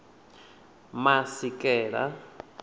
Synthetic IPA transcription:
masikʼɛːɺa̰

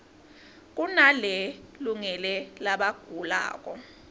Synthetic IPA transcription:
k̬ʼunalɛluŋɛlɛlaɓaɡ̥ʱula̰ːk̬ʼɔ

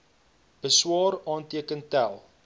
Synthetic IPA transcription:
bəswɑːɾɑːntiəkəntælˠ

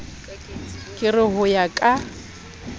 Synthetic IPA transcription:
kʼɪrɪɦʊjakʼa

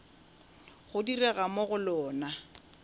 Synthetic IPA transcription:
χʊdirɛɣamoɣʊlɔːna

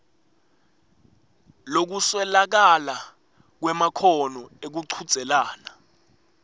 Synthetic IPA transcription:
lok̬uswɛlak̬ala | k̬wɛmakʰɔnɔek̬uǀʰud̥z̥ʱɛlaːna

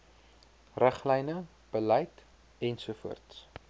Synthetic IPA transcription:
ræχlɛjnə | b̥əlɐjt | ɛnsufṵərts

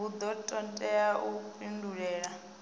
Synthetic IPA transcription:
ud̪ɔtʼɔntʼɛjaʔupʼinduɺɛːɺa

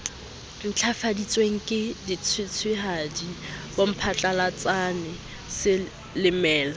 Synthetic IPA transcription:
n̩t͡ɬʰafadit͡sʼweŋ̩kʼɪdit͡sʰwɪt͡sʰwɪɦadib̥om̩pʰat͡ɬʼalat͡sʼanɪ | sɪ | lɪmɛːla

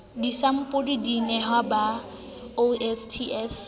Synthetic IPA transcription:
disam̩pʼodidinɛɦwaba | oɛstʰiɛs

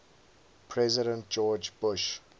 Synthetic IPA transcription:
pʰɹɛzɪɾə̃nt̚d͡ʒɔːd͡ʒbʊʃ

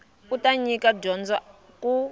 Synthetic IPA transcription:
utʼaɲikʼaɟɔnd͡za | kʼu

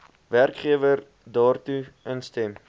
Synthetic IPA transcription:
værkχiəvər | dɑːrtuʔənstɛm

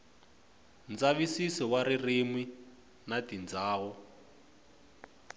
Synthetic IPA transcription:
nd͡zaβisisɔwaɾirimwi | natind͡zaːɣɔ

